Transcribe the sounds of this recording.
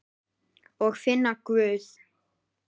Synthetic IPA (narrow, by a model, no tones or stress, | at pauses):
ɔɣfɪnːakvʏːθ